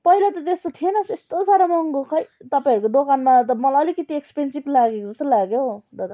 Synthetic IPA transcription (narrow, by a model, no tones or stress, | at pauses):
pʌilat̪ʌt̪est̪ot̪ʰienʌsest̪osaɾamʌŋɡokʰʌjt̪ʌpãĩɦʌɾukod̪okanmat̪̬ʌmʌlaʌlikʌt̪iekspensiblaɡekod͡zʌsɾolaɡjod̪ʌt̪